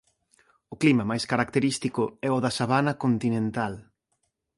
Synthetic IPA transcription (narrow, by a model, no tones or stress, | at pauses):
ʊklimɐmajskaɾak̚t̪eɾist̪ikʊɛʊðɐsaβanɐkont̪inẽnt̪al